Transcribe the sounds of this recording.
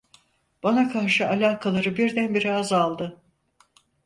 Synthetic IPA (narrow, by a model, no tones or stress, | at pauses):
b̥anakʰaɾʃɯalʲaːkʰalˠaɾɯbiɾd̪ænbiɾiazalˠd̪ɯ